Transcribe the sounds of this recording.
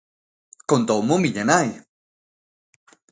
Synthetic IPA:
kont̪owmomiʎanaj

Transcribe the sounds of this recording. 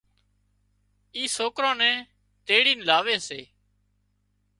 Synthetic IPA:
iːsoːkɾãːnɛ̃ː | t̪eːɽiːnlaːʋeːseː

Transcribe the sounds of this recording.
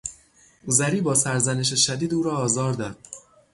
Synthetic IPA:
uzæɾiːbɒːsæɾzæne̞ʃ̬eʃæd̪iːd̪uːɾɒːzɒːɾd̪ɒːd̪̥̚

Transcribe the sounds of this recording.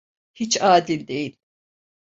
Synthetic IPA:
hit͡ʃaːd̪ilʲd̪ejil

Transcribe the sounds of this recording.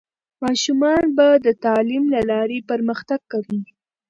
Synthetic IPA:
mɑʃumɑnbad̪ət̪ɑlimlalɑɾepəɾməxt̪aɡ̚kawi

